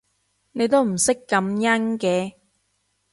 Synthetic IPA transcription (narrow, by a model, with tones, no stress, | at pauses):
ne˨˧jt̪o˥wm̩˨˩sɪ˥kːɐ˨˦mjɐ˥nkɛː˨˧